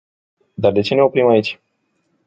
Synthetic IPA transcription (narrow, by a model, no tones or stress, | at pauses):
d̪ard̪e̞t͡ʃe̞ne̞opɾimait͡ʃʲ